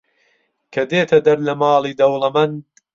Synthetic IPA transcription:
kʰɐd̪eːt̪ʰɐd̪ɐɾlɐmɑːlˠiːd̪ɐwlˠɐmɐn

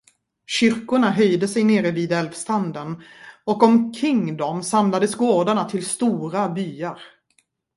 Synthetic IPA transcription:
ɕʏɾkʊɳaɦœjd̪əsɛjneːɾəviːd̪ɛlvst̪ʰand̪ənɔkɔmkʰɾɪŋd̪ɔmsamlad̪əsɡoːɖ̪aɳat̪ʰɪlst̪uːɾabyːaɾ

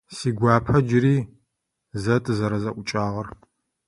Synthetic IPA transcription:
siːɡʷaːpʰɐd͡ʒɪɾiː | zɐtʼɨzɐɾɐzɐʔʷʊt͡ʃʼaːʁɐr

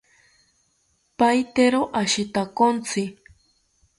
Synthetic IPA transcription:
pajt̪eɾoʔaʃɪt̪akont͡sʰɪ

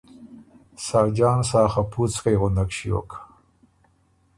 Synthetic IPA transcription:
sɑːd͡ʒɑːnsɑːxapʰut͡skajɣʊnd̪akʃiwo̰kʰḁ

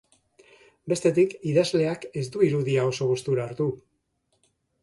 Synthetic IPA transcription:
be̞st̪e̞t̪ikiðazle̞ake̞zd̪uiɾuðiao̞so̞ɣ̞ust̪uɾaːɾt̪u

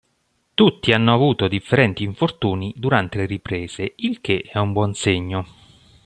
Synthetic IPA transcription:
t̪ut̪ːianːoavuːt̪od̪ifːeɾɛnt̪iːɱfort̪uːnid̪uɾant̪eleripɾeːz̥eilk̟eʔɛumbwɔnseɲːo

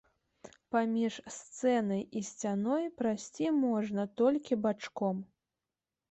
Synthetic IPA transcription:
pamʲiʂst̪sɛnɐjisʲt͡sʲanɔjpɾasʲt͡sʲimɔʐnɐt̪ɔlʲkʲibat͡ʂkɔm

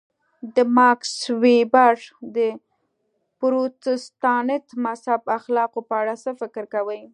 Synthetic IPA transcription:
d̪əmɑkswebaʐd̪ə | pɾot̪ɪst̪ɑnɪt̪mashabaxlɑqopəaɽasəfɪkɾkawəj

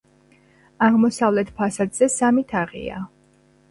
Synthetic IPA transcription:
aʁmɔsavlɛt̪ʰpʰasad̪z̥ɛsamit̪ʰaʁḭa̰

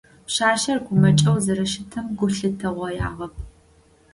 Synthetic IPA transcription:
pɕaːʃɐrɡʷʊmɐt͡ʃʼɐwzɐɾɐʃɪtʰɨmɡʷʊɬɨtʰɐʁʷɐjʔa̰ːʁɐp̚ʰ

